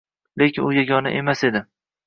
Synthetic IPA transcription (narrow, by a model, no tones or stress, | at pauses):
lekʲʰɪnʊjaɡʲɒna̰ʔemased̪ɪ